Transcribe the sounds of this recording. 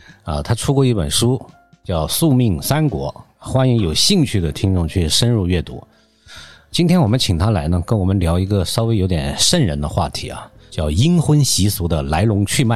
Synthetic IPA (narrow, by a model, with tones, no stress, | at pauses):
ə̰˧t̪ʰa˥ʈ͡ʂʰu˥kwɔ˥˧i˥˩pə̰˨˩nʂu˥ | t͡ɕjɑ˥˧ʊsu˥˧mi˥˩ŋsa˥nkwɔ̰˧˥ | xwa˥ni˧˥ŋjo˨˩ʊɕi˥˧ŋt͡ɕʰy˥˩d̪ə˩t̪ʰi˥ŋʈ͡ʂʊ˥˧ŋt͡ɕʰy˥˩ʂə˥nɻu˥˧ɥɛ˥˩t̪ṵ˧˥ | t͡ɕi˥nt̪ʰjɛ˥nwɔ˨˩mə˦nt͡ɕʰi˨˩t̪ʰa˥la˧˥ɪnə˧kə˥nwɔ˨˩mə˦nljɑ˧˥ʊi˧˥ɡə˧ʂɑ˥ʊwe˥ɪjo˧˥ʊt̪jɛ̰˨˩nʂə˥˩nɻə˧˥nd̪ə˧xwa̰˥˩t̪ʰḭ˧˥ɐ̰˧ | t͡ɕjɑ˥˩ʊi˥ŋxwə˥nɕi˧˥su˧˥d̪ə˧la˧˥ɪlʊ˧˥ŋt͡ɕʰy˥˧ma˥˩